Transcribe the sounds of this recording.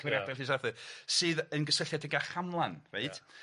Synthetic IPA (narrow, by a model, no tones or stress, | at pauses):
wɪɾjadɛlhisaðɨsɨːðənɡəsəɬjadəɡaχamlˠanreɨd̥